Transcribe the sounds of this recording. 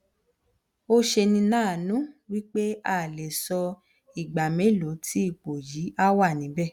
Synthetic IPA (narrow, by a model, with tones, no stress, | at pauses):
o˦ʃe˧nĩ˧nãː˦˨nũ˨˦wi˦k͡pe˦a˦˨le˨sɔ˧ | i˨ɡ͡ba˨mẽ˨˦˨lo˨˦tʰi˦i˦˨k͡po˨ji˨˦a˦wa˦˨nĩ˨˦bɛ˦˨